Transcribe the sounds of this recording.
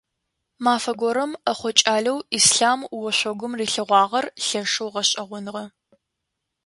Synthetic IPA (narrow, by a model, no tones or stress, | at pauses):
maːfɐɡʷɔɾɐmɐχʷɔt͡ʃʼaːɮɐwisɬaːmwɔɕʷɔɡʷʊmriːɬɨʁʷɑːʁɐrɬɐʂɨwʁɐɕʼɐʁʷʊnʁɐ